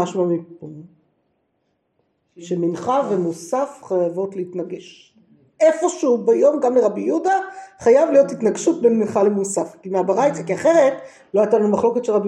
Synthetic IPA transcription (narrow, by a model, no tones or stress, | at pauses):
aʃmamip | ʃeminχavemusafχajavo̞tleitnaɡeʃ | ʔefo̞ʃubajo̞mɡamleʁabijudaχajavlijo̞titnaɡʃut̚benminχalemusafkimeabaʁajt͡sakiaχe̞ʁet | lo̞ajtalanumaχlo̞ke̞tʃelʁabi